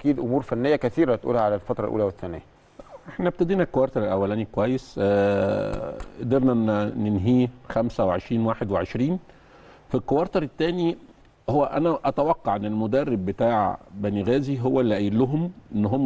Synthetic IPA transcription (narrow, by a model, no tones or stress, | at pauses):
ʔækiːd̪ʔomuːɾfænːejːækæθiːɾæt̪ʔṵlhæʕalælfɑt̪ɾˤɑlʔṵlæweθːænæ̰ːæ | ʔeħnæb̚t̪æd̪iːnækːowɑɾˤt̪ɑɾˤelʔæwːælæːnikwæjːes | ʔd̪iɾnænenɦiːxæmsæweʕeʃɾiːnwaːħed̪weʕeʃɾiːn | filkːowɑɾˤt̪ɑɾˤet̪ːæːni | howːæʔænæʔɑt̪æwɑqːɑʕʔenːelmod̪ærːebːet̪aːʕbæniɣæːziɦowːælːæʔælːʊɦomʔenːɦomː